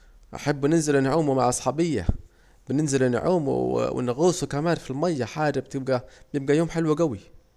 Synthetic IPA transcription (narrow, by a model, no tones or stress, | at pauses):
ʔa̰ħabːnɪnzɪlɪnaʕuːmmaʕʔɑsˤħɑːbɪjːa̰ | b̥ɪnɪnzɪlɪn̰ʕuːm̰wɪ̰nɪɣuːsukamaːnfilmajːaħaːd͡ʒabt̪ɪb̚ɡab̥jɪb̚ɡajoːmħɪlwɡawi